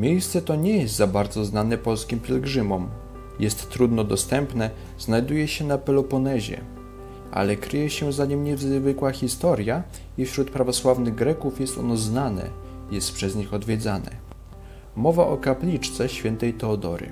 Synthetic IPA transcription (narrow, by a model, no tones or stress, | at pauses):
mʲjejst̪sɛt̪ɔɲɛjɛst̪zabaɾd̪zɔznanɛpɔlskʲimpʲjɛlɡʐɘmɔm | jɛst̪ːɾud̪nɔd̪ɔst̪ɛmpnɛ | z̥najd̪ujɛɕɛnapɛlɔpɔnɛʑɛ̰ | ʔa̰lɛkɾɘjɛɕɛzaɲimɲɛvzvɘkwaxʲist̪ɔɾʲja | ifɕɾut̪pɾavɔswavnɘɣɡɾɛkufjɛst̪ɔ̰nɔznanɛ̰ | jɛst̪pʂɛzɲixɔd̪vʲjɛd̪zanɛ̰ | mɔvaʔɔkaplʲit͡ʂt̪sɛɕfʲjɛnt̪ɛjt̪ɛɔd̪ɔ̰ɾɘ̰